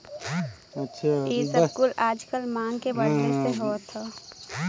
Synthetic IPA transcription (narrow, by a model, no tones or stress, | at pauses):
ɐtːʃʰaeːskuːlaːd͡ʒkəlmaːŋɡkebəɽʈəneɦoːt̪ʰːa